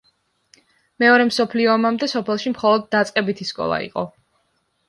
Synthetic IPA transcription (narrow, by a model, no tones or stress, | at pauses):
mɛɔɾɛmsɔpʰliɔmamd̪ɛsɔpʰɛlˠʃimχɔlˠɔd̪̚ːat̪sʼqʼɛbit̪ʰiskʼɔ̰lˠa̰ḭqʼɔ